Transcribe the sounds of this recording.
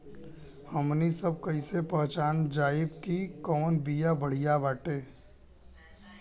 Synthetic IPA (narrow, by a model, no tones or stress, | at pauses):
həmnisəb̚kɐɪsepəɦt͡ʃaːnd͡ʒaːɪbkikɔːnbijabəɽ̤ijabaːʈeː